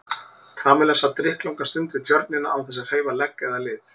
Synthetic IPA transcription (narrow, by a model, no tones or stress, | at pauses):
k̪ʰaːmɛlasat̪ːɾɪhklawŋkast̪ʏnt̪vɪðt̪ʰjœɾt̪̚nɪna̰ʔawθɛs̬að̥heːjvalɛkːɛðalɪːθ